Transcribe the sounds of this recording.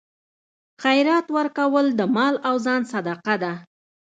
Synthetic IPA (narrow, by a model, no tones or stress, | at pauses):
xajɾɑt̪wəɾkawəld̪əmɑlawzɑnsad̪ɑqad̪a